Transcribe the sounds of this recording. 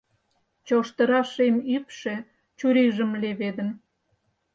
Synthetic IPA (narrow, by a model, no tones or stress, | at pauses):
t͡ɕoʃt̪əɾɑʃemypʃe | t͡ɕuɾiʒəmleβed̪ən